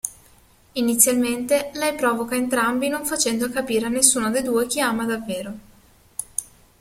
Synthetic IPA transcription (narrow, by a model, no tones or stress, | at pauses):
init̪sːjalment̪elɛjpɾɔːvokaent̪ɾambinoɱfat͡ʃɛnd̪oakapiːɾeanːesːuːnod̪ejd̪uːek̟iaːmad̪avːeːɾo